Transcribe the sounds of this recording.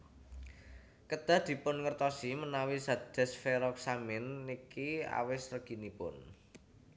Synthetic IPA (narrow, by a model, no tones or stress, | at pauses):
kəd̪̥a̤d̪̥i̤pʊnŋərt̪ɔsimənawisad̪̥ɛ̤sfeɾɔk̚samɪnːikia̰wɪsrəɡ̥i̤nipʊ̰n